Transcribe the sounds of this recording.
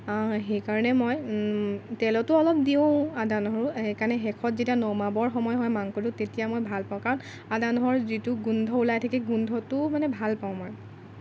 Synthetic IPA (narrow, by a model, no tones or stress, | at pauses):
axejkaɹɔnɛmɔj | tɛlɔtʊɔlɔp̚diʊ̃adanɔɦɔɹʊekaɹnɛxɛkʰɔtzetianɔmabɔɹxɔmɔjɦɔjmaŋkoɹʊ̃tetijamɔjbʱalpaw̃kaɹn | adanɔɦɔɹzitʊɡundʱɔulajtʰakiɡundʱɔtʊmanɛbʱalpaʊ̃mɔj